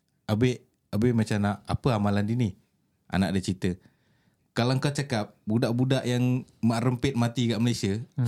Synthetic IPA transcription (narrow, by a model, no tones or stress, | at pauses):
abeʔ | abeʔmat͡ʃanaʔa̰pəamalandini | ʔa̰naʔdət͡ʃit̪ə | kalaŋkat͡ʃakap̚budaʔbudaʔjaŋmaʔrəmpɪt̪̚mat̪ikaʔməlasiə